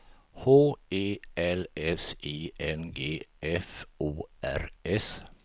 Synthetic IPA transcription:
hoːeːɛlɛsiːʔɛnɡeːʔɛfuːʔæ̰ɾɛs

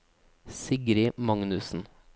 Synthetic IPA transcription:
sɪɡɾɪmɑŋnʉsn̩

